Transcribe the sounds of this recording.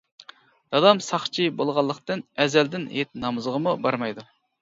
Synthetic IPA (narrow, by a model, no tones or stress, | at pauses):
d̪̥ɑd̪ɑmsɑχt͡ʃʰibolˠʁɑlˠːəqt̪ɨnɛzɛld̪ɪnhet̪̚nɑmɨzəʁəmubɑɾmɑjd̪u